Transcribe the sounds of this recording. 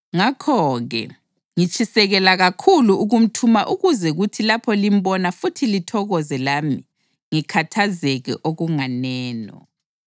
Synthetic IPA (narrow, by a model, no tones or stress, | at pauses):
ŋakʰɔɣɛ̰ | ŋit͡ʃʰʼisɛɣɛlaɣakʰuluuɣum̩tʰumaʔuɣuzɛɣutʰilapʰɔlim̩bɔnafutʰilitʰɔɣɔzɛlami | ŋikʰatʰazɛɣɛ̰ʔoɣuŋanɛːnɔ̰